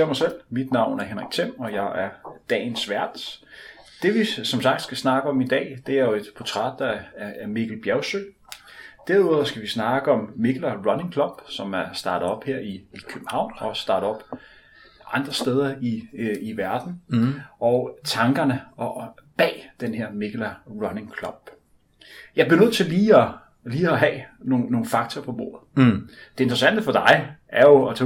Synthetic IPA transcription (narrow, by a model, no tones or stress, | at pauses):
mɑsel̰mid̥nɑ̈ʊ̰næɐɦenʁiɡ̥̚t͡sʰem̰ɒ̽jɑ̈ɪʔæɐd̥ɛ̰ːnsʋæɐ̰d̥ | d̥e̝ʋisɒ̽msɑ̈ɡ̥d̥sɡ̥æsnɑ̈ɡ̥əɒ̽mid̥ɛ̰ːd̥e̝æɐjo̝e̝d̥pʰɒt͡sʰʁɑ̰̈ːd̥ːɑːɐmeɡ̥l̩b̥jæʊsøː | d̥æɐuð̰ˠɐsɡ̥æʋisnɑ̈ɡ̥əɒ̽mːeɡ̥lɐʁɒneŋkʰlɒ̽mb̥sɒ̽mæɐsd̥ɑ̈ːd̥ð̩ˠɒ̽b̥heɐ̰iːkʰøb̥m̩hɑ̈ʊ̰nɒ̽sd̥ɑ̈ːɾ̥̩ˠɒ̽b̥ | ʔɑ̈nd̥ʁɐsd̥eːð̞ˠɐiiʋæɐd̥n̩ʔɒ̽ʊt͡sʰɑ̈ŋɡ̥ɐnəɒb̥ɛ̰ːd̥enɦeɐ̰me̝ɡ̥lɐʁɒ̽neŋkʰlɒ̽b̥ | jɑ̈ɪb̥liɐnøð̰ˠt͡sʰe̝liːɒ | liːɒɦɛ̰ːnoo̝ːn̩fɑ̈ɡ̥̚t͡sʰɐːpʰɒ̽b̥o̝ːɐð̩ˠd̥e̝e̝nd̥ʁɐsæn̰d̥əfɒ̽d̥ɑ̈ɪʔæɐjo̝ɒt͡sʰɛ